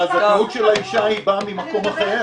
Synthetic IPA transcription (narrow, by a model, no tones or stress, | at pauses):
azatautʃelaiʃahibamimako̞maχeʁe